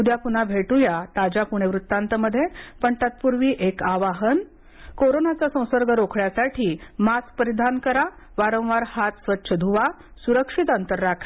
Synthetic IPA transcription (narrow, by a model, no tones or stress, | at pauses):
ud̪japunabʱeʈujat̪ad͡ʑapuɳ̃eʋɾut̪ːãnt̪əməd̪ʱːjepəɳt̪at̪̚puɾʋiːʔekaʋaɦən | koɾonat͡sasə̃w̃səɾɡʱəɾokʰɭjasaʈʰiːmas̚pəɾid̪ʱankəɾa | ʋaɾə̃w̃ʋaɾhat̪sʋətːɕʰəd̪ʱuʋa | suɾəkʂit̪ənt̪əɾːakʰḁ